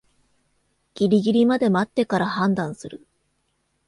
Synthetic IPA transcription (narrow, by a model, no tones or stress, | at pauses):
ɡ̥ʲiɾʲiɡʲiɾʲimad̪e̞mat̪ːe̞kaɾahãnd̪ãɰ̃sɨɾɯ̟